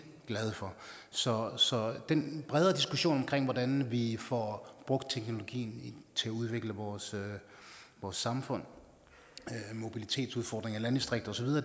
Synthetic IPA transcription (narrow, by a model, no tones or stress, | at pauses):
ɡ̥lɛð̞ˠfɒ̽ | sɒ̽sɒ̽d̥enb̥ʁɛð̞ˠɐd̥isɡ̥uɕo̝̰ːnɒ̽mkʰʁeŋ̰ʋɒdænʋifɒb̥ʁɔ̽ɡ̥d̥̚t͡sʰeɡ̥no̝lo̝ɡ̥ḭːn̩t͡sʰe̝æuð̞ˠʋe̝ɡ̥ləʋɒːsø | ʋɒːsːɑ̈mfɔ̽n̰ | mo̝b̥ilit͡sʰe̝̰ːd̥suð̞ˠfɒːd̥ʁeŋælænd̥isd̥ʁeɡ̥d̥ɐsɒ̽ʋið̞ˠɐː